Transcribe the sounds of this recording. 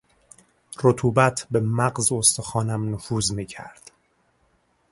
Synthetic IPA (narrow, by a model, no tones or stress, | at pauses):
rot̪ʰuːbæt̪ʰbe̞mæɢzost̪oxɒːnæmnofuːzmiːcʰæ̰ɾd̪̥